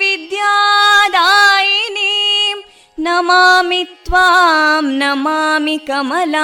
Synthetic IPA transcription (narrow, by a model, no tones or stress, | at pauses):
ʋid̪jaːd̪aːjinim | nɐmaːmit̪ʋamnɐmaːmikɐmɐla